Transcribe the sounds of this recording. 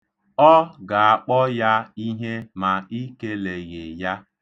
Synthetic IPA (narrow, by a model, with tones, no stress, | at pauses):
ɔ˦ɡa˨a˨k͡pɔ˦ja˦i˦ɦe˦ma˨i˦ke˦le˨ɣe˨ja˦